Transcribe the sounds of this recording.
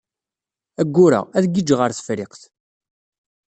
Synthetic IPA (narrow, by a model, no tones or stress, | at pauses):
æɡːʊɾa̰æðɡid͡ʒʁəɾθə̥fɾɪqθ